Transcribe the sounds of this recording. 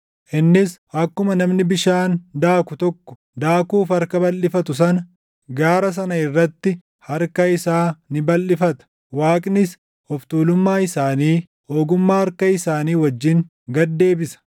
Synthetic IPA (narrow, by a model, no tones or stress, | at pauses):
ʔɪnːɪsʔɐkːʊmɐnɐmnɪbɪʃaːnd̪aːkʊt̪ɔkːɔ̥ | d̪aːkuːfɐɾkɐbɐlːɪfɐt̪ʊs̬ɐnɐ | ɡaːɾɐs̬ɐnɐɪrːɐt̪ːɪ | hɐɾkɐɪsaːnɪbɐlːɪfɐt̪ɐ̥ | waːkʼnɪs | hɔft̪uːlʊmːaːɪsaːniː | hoːɡʊmːaːhɐɾkɐɪsaːniːwɐd͡ʒːɪŋ | ɡɐd̪ːe̞ːbɪsɐ̥